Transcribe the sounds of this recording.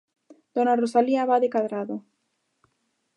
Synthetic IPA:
d̪̥onarosaliaβaðekaðɾaðo

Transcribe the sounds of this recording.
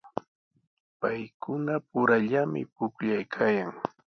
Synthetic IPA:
pajkʊnapʊɾaʎamɪ̰pʊkʎajkʰaːjaŋ

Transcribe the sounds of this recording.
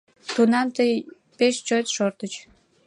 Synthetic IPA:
t̪unɑmt̪əj | peʃt͡ɕojt̪ʃort̪ət͡ɕ

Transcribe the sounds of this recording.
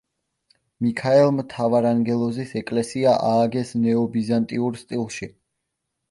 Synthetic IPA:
mikʰaɛlˠmt̪ʰavaɾaŋɡɛlˠɔzisɛkʼlɛsiaʔaːɡɛsnɛɔbizant̪ʼiuɾst̪ʼilˠʃi

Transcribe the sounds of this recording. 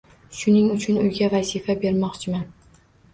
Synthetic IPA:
ʃʊnɪŋʊt͡ʃʰʊnʊjɡʲavazɪfabe̞ɾmɒqt͡ʃʰɪman

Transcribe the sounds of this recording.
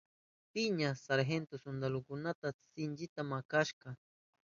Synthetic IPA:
pɪɲasaɾɦent̪osond̪alokʊnat̪asɪnt͡ʃɪt̪amakaʃɢɑ

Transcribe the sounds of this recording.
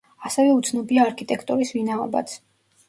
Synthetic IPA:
asɛvɛut̪sʰnɔbiaːɾkʰit̪ʼɛkʰt̪ʼuɾisvinaɔba̰t̪sʰ

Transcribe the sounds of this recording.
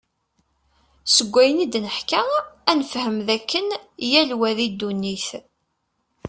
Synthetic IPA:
səɡʷːæjənid̪nəħkaænəfhəmðækːənjælwæðid̪ːunːiθ

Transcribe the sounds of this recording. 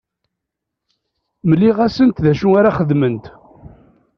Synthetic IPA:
məlːiʁæsənt̪ðæʃuaɾaχəðmənt̪

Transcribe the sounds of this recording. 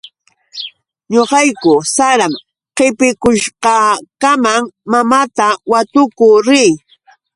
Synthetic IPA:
ɲoqɑjkʊsaɾam | qɪpɪkʊʃqɑkamaŋmamat̪awat̪ʊkʊɾɪj

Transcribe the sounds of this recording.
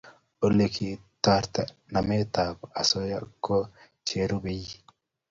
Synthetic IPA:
ʔɔlːɛkʰit̪aːɾt̪ɐnɐmeːt̪aːbɐsɔjɐkʰːo | t͡ʃeːɾʊbɛjːɪ

